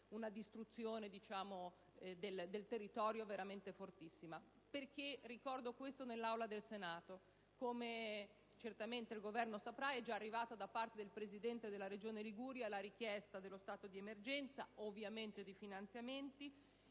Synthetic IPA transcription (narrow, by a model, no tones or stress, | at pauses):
unad̪ist̪ɾut̪sːjoːned̪it͡ʃaːmo | d̪eld̪elt̪erːit̪ɔːɾjoveɾament̪efort̪isːima | perkerːikɔrd̪okwest̪onelːawlad̪elsenaːt̪o | kome | t͡ʃert̪ament̪eilɡovɛrnosapɾaɛd͡ʒaːrːivaːt̪ad̪apːart̪ed̪elpɾezid̪ɛnt̪ed̪elːaɾed͡ʒoːneliɡuːɾjalːaɾik̟jɛst̪ad̪elːost̪aːt̪od̪iemerd͡ʒɛnt̪saovːjament̪ed̪efinant̪sjament̪i